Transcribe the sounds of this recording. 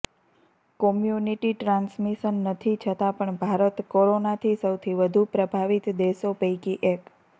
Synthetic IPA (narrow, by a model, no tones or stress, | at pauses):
kɔmjuniʈiʈɾãnsmiʃənːət̪ʰit͡ʃʰət̪apəɳbʱaɾət̪koɾonat̪ʰisəwt̪ʰiʋəd̪ʱupɾəbʱaʋit̪d̪esopəikiʔek